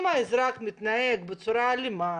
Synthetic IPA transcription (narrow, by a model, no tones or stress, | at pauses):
maɪzɾakmɪt̪najekbet͡suɾalima